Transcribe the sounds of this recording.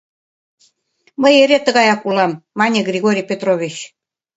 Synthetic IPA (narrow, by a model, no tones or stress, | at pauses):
məjeɾet̪ə̆ɣɑjɑkulɑmːɑnʲeɡrʲiɣoɾʲijpʲet̪roβʲit͡ɕ